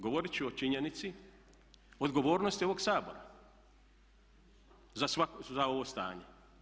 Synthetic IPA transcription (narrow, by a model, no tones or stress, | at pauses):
ɡoʋoɾit͡ʃuot͡ʃiɲenit̪si | od̪ɡo̞ʋoːɾnost̪ioʋo̞ɡsaːbo̞ɾa̰ | zasakzao̞ʋost̪a̰ːɲe